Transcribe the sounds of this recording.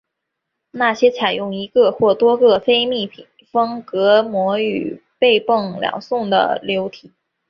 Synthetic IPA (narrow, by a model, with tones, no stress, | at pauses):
na˥˩ɕjɛ˥t͡sʰa˨˩ɪjʊ˥˩ŋi˧˥ɡə˧xwɔ˥˩t̪wɔ˥ɡə˥˧fe˥ɪmi˥˩pʰi˨˩ŋfɤ˥ŋkɤ˧˥mwɔ˧˥y̰˨˩pe˥˧ɪpɤ˥˩ŋljɑ̰˨˩ŋsʊ˥˩ŋd̪ə̰˩ljo˧˥ʊt̪ʰi˨˩˦